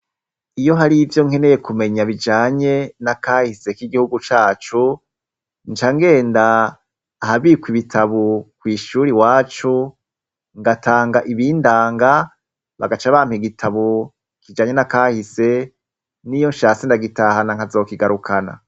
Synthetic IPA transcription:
ijo̞ɦaɾivjo̞ŋhe̞ne̞jekumeɲaβid͡ʒaːɲe̞nakaːhise̞kiɡihuɡut͡ʃaːt͡ʃu | nt͡ʃaŋɡe̞ːndaː | haβikwiβitʰaβukwiːʃuːɾiwaːt͡ʃu | ŋɡatʰaːŋɡaʔiβiːndaːŋɡa | βa̰ɡat͡ʃaβaːniɡitʰaβu | kid͡ʒaːɲe̞nakaːhise̞ | nijo̞nʃaːsindaɡitahanaŋ̥azo̞ːkiɡaɾukʰana̰

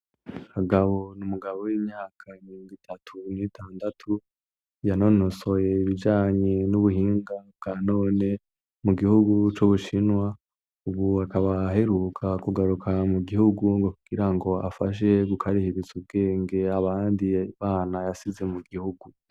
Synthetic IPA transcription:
aɡaβo̞numuɡaβo̞wiːmɲaːkʰaimiɾoːŋɡitʰatʰunitʰaːndatʰu | jano̞noso̞je̞iβid͡ʒaːɲe̞nuβuhiːŋɡabɡaːno̞ːne̞ | muɡihuɡut͡ʃuβuʃinwa | uβuakaβaɦe̞ɾukʰakuɡaɾukʰamuɡihuɡuŋɡo̞kuɡ̥iɾaŋɡo̞a̰faʃ̬e̞ɡukʰaɾihiɾizub̚ɡe̞ːŋɡe̞aβaːndiβaːnajasize̞muɡihuɡu

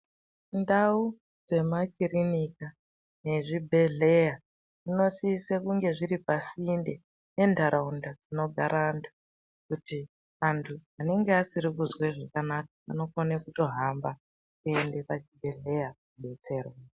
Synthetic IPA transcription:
ndau | d͡ze̞makirinika | ne̞ʐibʱe̞ɮe̞ja | ino̞siːsekuŋɡe̞ʐiɾipasinde | ne̞ndʱaɾʔaundad͡zino̞ɡʱaɾaːntʰu̥ | kuti | antʰuane̞ŋɡeasiɾikuzweʐakanakaano̞konekuto̞ɦamba | kuende̞pat͡ʃibʱe̞ɮe̞jakuɓe̞t͡se̞ːrwa

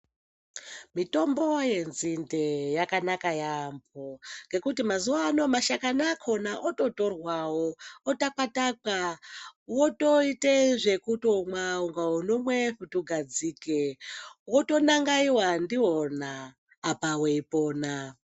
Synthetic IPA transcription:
mito̞mbo̞je̞nzindejakanakajamboŋɡe̞kutimazuwano̞maʃakanakʰo̞naʔoto̞to̞rwawootak͡pataka | woto̞iteʐe̞kutomwauŋɡaunomweɸutuɡʱad͡ziːkewoto̞naŋɡaiwandiɦonaː | paweipo̞ːna

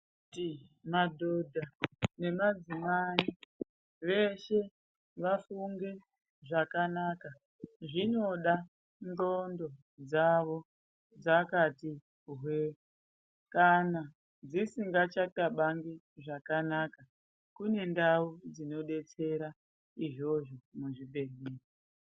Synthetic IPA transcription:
timadʱodʱane̞mad͡zimai | ʋe̞ʃe̞ | ʋafuŋɡe̞ | ʐakanaːka | ʐino̞ɗa | ndo̞ndo̞ | d͡zaʋo̞ | d͡zakati | ɦwe | kana | d͡zisiŋɡat͡ʃataɓaŋɡi | ʐakanaːka | kune̞ndaud͡zino̞ɗe̞t͡se̞ɾa | iʐo̞ʐomuʐibʱe̞rmeːko

